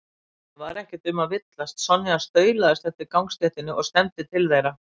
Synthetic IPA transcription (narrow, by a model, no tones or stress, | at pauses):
vaɾɛhcɪt̪ʏmavɪt̪last̪sɔnːiast̪œːɥlaðɪst̪ɛft̪ɪɾkawŋkst̪ɛht̪ɪnːɪʔɔɣst̪ɛnt̪ɪt̪ʰɪlθejɾa